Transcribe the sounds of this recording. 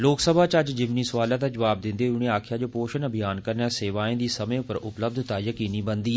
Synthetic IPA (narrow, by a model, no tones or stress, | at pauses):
loːksəbʱaːt͡ʃəd͡ʒd͡ʒɪmniːsʋaːlãːd̪aːd͡ʒəʋaːb̚d̪ɪ̃nd̪eːʊɳẽːaːkʰjaːd͡ʒoːpoːʃənəbʱɪjaːnkəɾnaːseːʋaːẽːd̪iːsəmẽːʊpəɾʔʊpləb̚d̪ʱt̪aːjəkiːniːbənd̪iː